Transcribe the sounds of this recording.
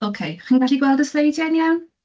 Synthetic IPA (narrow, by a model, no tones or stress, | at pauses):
okʰejχinɡaɬiɡwɛlˠdəslejdjanjawn